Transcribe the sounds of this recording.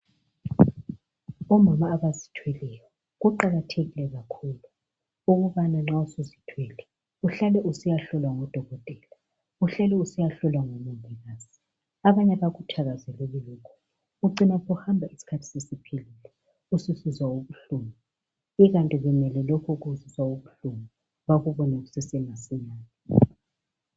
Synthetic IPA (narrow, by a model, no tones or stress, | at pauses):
ɔmamaːβazitʰwɛlɛjɔ | ɣuǃaɣatʰeɣilɛɣakʰuːlu | uɣuβanaŋ͡ǁausuzitʰwɛlɛ | uɬalɛʔusijaɬɔlwaŋɔd̥ʱɔɣɔtʼɛːla | uɬɛlɛusijaɬɔlwaŋomuvʱiɣaːz̥i | aβaɲɛβaɣutʰaɣazɛlɛɣɛlɔːkʰɔ̥ | uǀinɛɣuhambʱaisi̥kʰatʰi̥sesipʰelilɛ | ususizwauβuɬumi | iɣantʼiɣɛmɛlɛlɔkʰɔɣuziswauβuɬumi | βaɣuβɔnɛɣusɛsɛmasiɲaːnɛ